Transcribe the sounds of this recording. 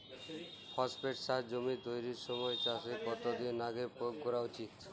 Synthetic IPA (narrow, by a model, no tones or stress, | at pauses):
pʰɔspeʈsaɦd͡ʒomid̪ojɾiɾsɔmɔet͡ʃasekɔt̪ɔd̪inaɡepojoɡkɔɾaut͡ʃit̪